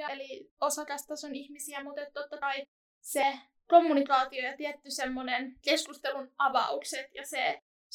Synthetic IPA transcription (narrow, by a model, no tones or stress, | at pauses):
ɑliosɑt̪ɑst̪ɑsonihmisiæmut̪et̪ːt̪ot̪ːɑkɑi | se | ko̞mːunikɑːt̪iojɑt̪iɛt̪ːysemːonenkeskust̪elunʔɑʋɑ̰ukset̪jɑse